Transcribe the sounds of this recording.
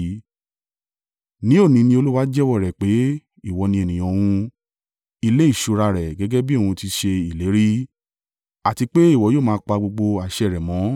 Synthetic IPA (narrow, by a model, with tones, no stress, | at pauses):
nĩ˦o˦˨nĩ˧nĩ˧o˧lu˦wa˦d͡ʒɛ˦wɔ˦˨ɾɛ˨k͡pe˨˦ | i˦˨wɔ˨nĩ˧ɛ˨nĩ˨j̃ɔ̃˧w̃ũ˧ | i˦˧le˨˦i˦˨ʃu˨˧ɾa˧ɾɛ˨ɡɛ˨˦ɡɛ˦bi˦˨wũ˧ti˧ʃe˧i˨le˨˦ɾi˦ | a˨ti˧k͡pe˦i˦˨wɔ˨˧˦joː˦˨mãː˦˧˦k͡pa˧ɡ͡bo˧ɡ͡bo˧a˨ʃɛ˧˨ɾɛ˨mɔ̃˨˦